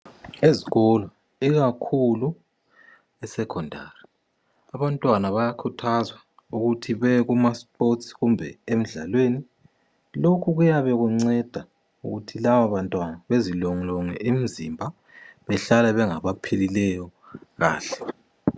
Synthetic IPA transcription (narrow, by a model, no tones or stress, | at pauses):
eziɣɔlɔ | iɣakʰulu | ɛsɛkʰɔndʱa̰ri | aβantʼwanaβajakʰutʰazwa | uɣutʰiβɛɣumaspʰʼotsiɣumbʱɛ̰em̩ɮa̰lweːni | lokʰuɣujaβɛɣuŋ͡ǀɛd̥ʱa | ṵɣutʰilaβaβantʼwanaβezilɔŋlɔŋɛʔim̩zimbʱa | βɛɬalɛβɛŋaβapʰililɛjɔ | ɣa̰ːɬɛ̥